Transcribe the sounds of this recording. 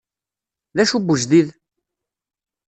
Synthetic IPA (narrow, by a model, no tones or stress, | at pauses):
ðæʃubəʒðið